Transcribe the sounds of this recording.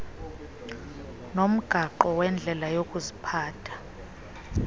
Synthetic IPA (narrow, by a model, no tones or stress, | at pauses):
nom̩ɡ̥ʱaǃɔwɛnd͡ɮʱɛlajokʼuzipʰaːtʰḁ